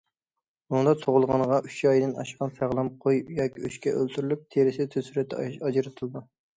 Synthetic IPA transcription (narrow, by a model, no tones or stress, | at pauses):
nund̪ɑt̪ʰoʁʊlˠʁɑnʁɑʔyt͡ʃjɑjd̪ɪnɑ̰ʃqɑnsæʁlˠɑmqʰojjɑːkʲʰiyʃkʲɛʔølt̪ʰyɾylyp̚t̪ʰeɾɪsɪd̪t̪ʰøsyɾɛt̪ʰːɑd͡ʒɾɨt̪ʰɨlˠɨd̪u